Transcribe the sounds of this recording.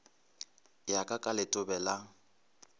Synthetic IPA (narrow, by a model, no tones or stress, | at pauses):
jakʼakʼalɪtʼʊbɛla